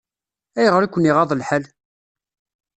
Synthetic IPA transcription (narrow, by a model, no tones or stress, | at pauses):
æjəʁəɾækʷːəniʁɑðˤlħəl